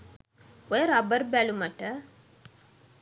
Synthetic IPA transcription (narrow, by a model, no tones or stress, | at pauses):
ojəɾabəɾbæluməʈə